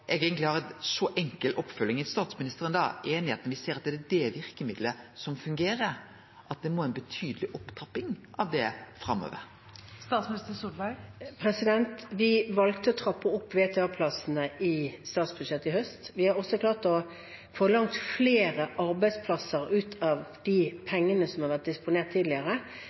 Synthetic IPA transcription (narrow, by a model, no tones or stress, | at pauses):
ʔɛɡɛːɡənt̪lɪhɑːʁɛnsɔʔɛŋkəlʔɔpːfœlːɪŋɪst̪ɑːt̪smɪnɪst̪əɾənd̪ɑ̰ːʔeːnɪheːt̪nəʋɪseːɾɑt̪̚d̪ɛd̪ɛd̪ɛʋɪɾkəmɪd̪ləsɔmfʉŋɡeːɾəɾ | ʔɑt̪̚d̪ɛmoːæɪnbət̪ʰyːd̪əlɪʔɔpːt̪ʰɾɑpːɪŋʔɑʋd̪ɛfɾɑmːo̰ːʋə̰ɾ | st̪ɑːt̪smɪnɪst̪əsuːbæɪpʰɾɛsɪd̪ɛnt̪ʋɪʋɑlɡt̪əɔt̪ʰɾɑpːəʊpːʋeːt̪ʰɛɑːpʰlɑsn̩əʔɪst̪ɑːt̪sb̥ʉd̪ʃɛt̪ːɪhœst̪ʋɪhɑɾɔsɔklɑːʁt̪ɔ | foːlɑŋt̪fleːɾəʔɑɾbæɪspʰlɑsəɾʉːt̪ʰɑʋd̪̥ipʰɛŋːənəsɔmhɑɾʋæʁt̪̚d̪ɪspʊneːʁt̪ʰːiːd̪lɪəɾə